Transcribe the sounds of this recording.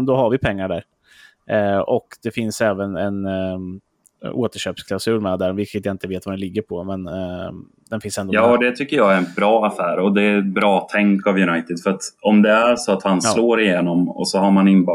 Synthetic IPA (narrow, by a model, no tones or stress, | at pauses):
d̪ɔɦaɾvɪpʰɛŋːaɖæɾ | ɔkd̪̥ɛfɪnsɛːvənɛn | o̰ːt̪əʂøːpskʰlaʊsʉ̟ːlmɛd̪æɾvɪlkət̪jaɪnt̪əveːt̪vad̪ɛnlɪɡːəɾpʰɔmɛn | d̪ɛnfɪnsɛnd̪ojɑːd̪ɛt̪ʰʏkːəjɑɡæɾɛnbɾɑːafæːɾɔd̪ɛbɾɑːt̪ʰɛŋkavjɵnajt̪ɪd̪fœɾat̪ɔmd̪ɛæɾʂɔat̪hansloːɾɪjeːnɔmɔ̰sɔhaɾmanɪnb